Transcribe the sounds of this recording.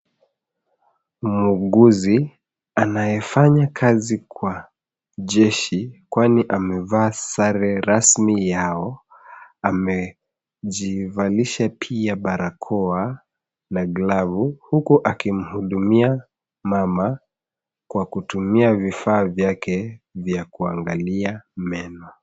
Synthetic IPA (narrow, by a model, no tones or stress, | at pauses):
muɠuzi | anajɛfaɲakʰazikwa | ʄɛʃikwaniʔamɛvaːsaɾɛɾasmijaɔ | amɛ | ʄivaliʃapʰiaɓaɾakʰɔa | naɡlavuhukuʔakim̩huɗumia | mama | kwakutumiavifaːvjakʰɛvjakuaŋɡaliamɛnɔ